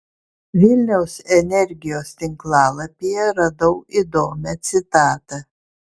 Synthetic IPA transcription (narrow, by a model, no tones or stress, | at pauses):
ʋʲɪlʲnʲɛʊsɛnʲɛɾʲɡʲɪjoːst̪ʲɪŋklˠɑːlˠɐpʲijɛɾɐd̪ɐʊid̪oːmʲɛt̪sʲɪt̪ɑːt̪ɐ